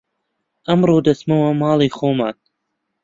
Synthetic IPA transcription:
ʔɐmɾˤuːd̪ɐsmɐwamɑːlˠiːxoːmaːt̪̚

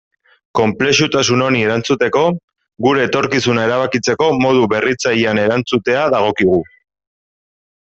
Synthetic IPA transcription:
ko̞mple̞ʃut̪asuno̞nie̞ɾant͡sut̪e̞ko̞ | ɣuɾe̞ːt̪o̞ɾkis̬unae̞ɾaβ̞akit͡se̞ko̞mo̞ð̞uβe̞rit͡sajiane̞ɾant͡sut̪e̞aðaɣ̞o̞kiɣ̞u

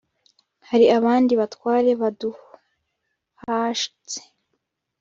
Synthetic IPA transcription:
haɾiaβaːndiβatwaːɾe̞βadu | haʃi̥t͡se̥

